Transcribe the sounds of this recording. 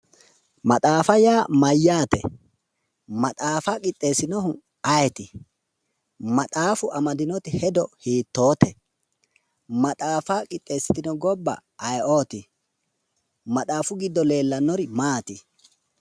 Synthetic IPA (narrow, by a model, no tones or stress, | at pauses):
mɐt̪ʼaːfɐjaːmɐjːaːt̪ɛ̰ | mɐt̪ʼaːfaːkʼɪt̪ʼːe̞ːsɪnɔhʊ | ɐjɛt̪ɪ | mɐt̪ʼaːfʊʔɐmɐd̪ɪnɔt̪ɪhɛd̪ɔhiːt̪ːo̞ːt̪ɛ | mɐt̪ʼaːfaːkʼɪt̪ʼːe̞ːsːɪt̪ɪnɔɡɔbːɐ̰ʔːjʔoːt̪ɪ | mɐt̪ʼaːfʊɡɪd̪ːɔle̞ːlːɐnːɔɾɪmaːt̪ɪ